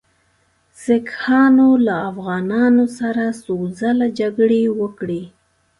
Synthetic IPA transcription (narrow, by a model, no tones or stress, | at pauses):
sɪkhɑnolaːfɣɑnɑnosaɾasozalad͡ʒaɡɽewəkɽi